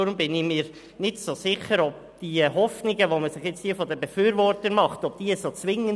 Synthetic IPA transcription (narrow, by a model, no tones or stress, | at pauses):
ʊɾʊmbɪnɪmiːɾ | nɪtsosɪçəɾɔb̥̚d̥iɦɔfnɪɡəʋoməsɪχjɪt͡sthiəfɔdəbɛfyːɾʋɔrtənmɑχtɔb̥̚d̥iːsot͡sʋɪŋːən